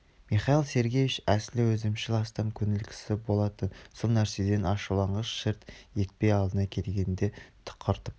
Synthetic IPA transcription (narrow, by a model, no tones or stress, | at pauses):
miχɑilˠse̞ɾɡʲejɪʃæslɪwɵzɪmʃɪlɑst̪ɑmkʲʰʏnɪlkʲʰɪ̥sɪbo̞lˠɑt̪ənsolˠnæɾse̞d̪e̞nɑʃulˠɑɴʁəzʃɪɾt̪je̞t̪̚pe̞jɑlˠd̪ənɑkʲʰelɡʲe̞nd̪e̞t̪ʰə̥qʰːəɾt̪əp̚